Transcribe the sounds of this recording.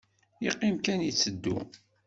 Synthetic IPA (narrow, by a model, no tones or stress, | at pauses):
iqːimkænjit͡sːəd̪ːṵ